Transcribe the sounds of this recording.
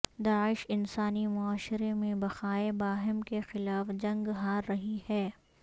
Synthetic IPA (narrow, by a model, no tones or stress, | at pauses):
d̪aːɪʃɪnsaːnimʊaːʃɪɾemẽbɐxaːebaːɦɪmkexɪlaːfd͡ʒɐ̃ŋɡɦaːɾːɐɦihɛː